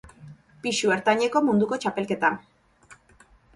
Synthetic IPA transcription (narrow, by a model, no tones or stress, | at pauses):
piʃue̞ɾt̪aɲe̞ko̞mund̪uko̞t͡ʃape̞lke̞t̪a